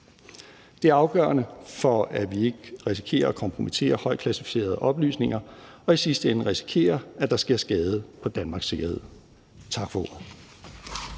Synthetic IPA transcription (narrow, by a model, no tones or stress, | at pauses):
d̥e̝æɐɑ̈ʊɡ̥ɶ̰ɐnəfɒ̽æʋie̝ɡ̥əʁis̬i̥kʰe̝̰ːɐɒkʰɒ̽mpʰʁo̝mit͡sʰe̝̰ːɐhɒ̽ɪ̰̥kʰlæsifi̥se̝̰ːɐð̞ˠəʔɒ̽b̥ly̰ːsne̝ŋɐɒ̽isisd̥əen̩ʁisi̥kʰe̝̰ːɐæd̥ɑ̈sɡ̥iɐ̰sɡ̥ɛːð̞ˠəpʰɒ̽d̥ænmɑ̈ːɡ̥se̝ɡ̥ɐhe̝ðˠ | t͡sʰɑ̈ɡ̥fɒo̝̰ɐð̩ˠ